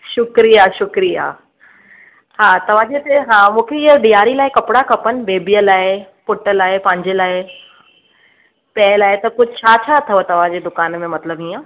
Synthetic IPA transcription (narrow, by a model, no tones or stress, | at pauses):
ʃʊkɾijaʃʊkɾija | haːt̪ɐʋ̤ãːd͡ʑet̪eɦãːmũːkʰeɪɦəɗijaːɾilaːɪkɐpɪɽakɐpənɪ̆beːbijəlaːepʊʈəlaːepɐ̃ɦɪ̃ɲd͡ʑelaːɪ | pɛːlaːɦɪet̪ɐkʊd͡ʑʱɪt͡ɕʰaːt͡ɕʰaːt̪ʰɐʋət̪ɐʋ̤ãd͡ʑeːd̪ʊkaːnmẽmɐt̪ləbɦĩːã